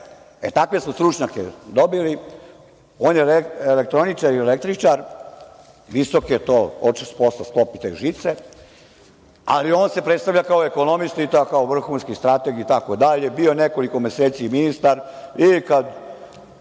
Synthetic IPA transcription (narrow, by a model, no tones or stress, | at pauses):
ḛt̪akʋe̞smost̪ɾut͡ʃɲakḛd̪obili | oːnjeleelek̚t̪ɾo̞nit͡ʃaɾielek̚t̪ɾit͡ʃaɾ | ʋiso̞ket̪oot͡ʃisu̥poslasklopit̪saḭʒit̪se | a̰lio̞ːnse̞pɾet̪st̪aʋʎʲakao̞eko̞no̞mist̪ait̪akaoʋr̩xunskist̪ɾat̪eɡiːt̪akod̪aʎebio̞neko̞likomeseːt̪siminist̪aɾikad̪